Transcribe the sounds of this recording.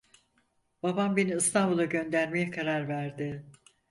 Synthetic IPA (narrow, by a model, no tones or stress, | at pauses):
b̥abambeniɯst̪ʰanbulˠaɟø̞nd̪æɾmejɛkʰaɾaɾvæɾd̪ɪ